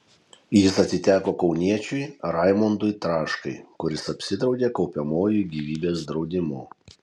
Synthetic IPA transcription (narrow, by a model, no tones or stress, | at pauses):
jɪsɐt̪ʲsʲɪt̪ʲæːkoːkɒʊnʲiɛt͡ʃʲʊjɾɑɪmɔnd̪ʊjt̪ɾɑːʃkɐɪkʊɾʲɪsɐpʲsʲɪd̪ɾɒʊd̪ʲeːkɒʊpʲɛmoːjuːˑɡʲiːʋʲiːbʲeːsd̪ɾɒʊd̪ʲɪmʊ̰ː